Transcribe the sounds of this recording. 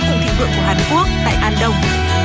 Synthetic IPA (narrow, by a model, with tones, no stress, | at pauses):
t̪ʰə˨˧˩ŋt̪ʰḭ˧˨wvɨ̰˧˨ŋku˧˩əɦaː˨˩nku˦˥ək̚ha̰ː˧˨jʔaː˧nɗə˧w